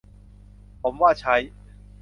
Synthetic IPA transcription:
ɔ˨˧mwa˥˨t͡ɕʰa˨˦j

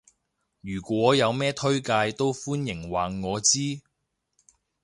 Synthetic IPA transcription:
jyː˨˩kʷwɔː˨˥jɐ˨˧wmɛː˥t̪ʰɵ˥ɥkaː˧jt̪o˥wfuː˥njɪ˨˩ŋwaː˨ŋɔː˨˧t͡siː˥

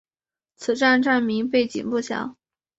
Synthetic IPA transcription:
t͡sʰɹ̩˨˩ʈ͡ʂa˥˧nʈ͡ʂa˥˩nmi˧˥ŋp̬e˥˩ɪt͡ɕḭ˨˩npu˥˧ɕjɑ̰˥˩˦

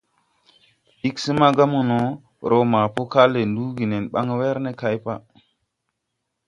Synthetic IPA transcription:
i˦ksi˦ma˦ɡa˦mu˨no˨˦ | ɾʔo˦ma˨po˦ka˦le˨ndu˦ɡi˨ne˨nɓa̰˦ŋ˦we˦ɾne˦ka˦jpa˦

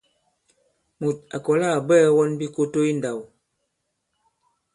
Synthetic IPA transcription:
mu˨t̚a˨kɔ˨la˦˨bɛː˦wɔ˦nbi˦ko˦to˦i˦nda˨w

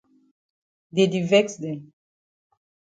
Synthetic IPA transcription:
d̪e˨d̪ivɛksd̪ɛ˨

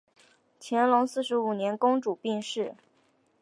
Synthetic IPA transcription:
t͡ɕʰjɛ˧˥nlʊ˧˥ŋsɹ̩˥˩ʂɻ̩˧˥u˨˩njɛ˧˥nkʊ˥ŋʈ͡ʂu˨˩pi˥˧ŋʂɻ̩˥˩

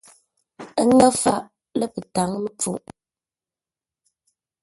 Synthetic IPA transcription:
ə˦ŋə˦fa˦ʔ | lə˦pɨ˨ta˨˦ŋ˦mə˦p͡fṵ˦ʔ

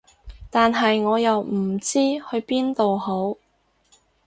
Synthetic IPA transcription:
t̪aː˨nɦɐ˨jŋɔː˨˧jɐ˨wm̩˨˩t͡siː˥hɵ˧ɥpiː˥nt̪o˨who˨˥w

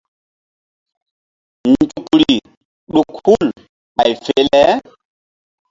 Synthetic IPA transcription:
nd͡ʒu˨kɾi˨ | ɗu˨khu˦l | a˨jfe˨˦lɛ˦

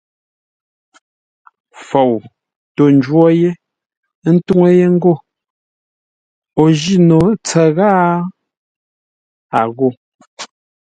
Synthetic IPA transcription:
fo˨w | to˨n˦d͡ʒwɔ˦je˦ | n̩˦tu˦ŋe˦je˦ŋ̩˦ɡo˦˨ | o˨ʒi˦˨no˨t͡sɛ˨ɣaː˦ | a˨ɣo˦˨

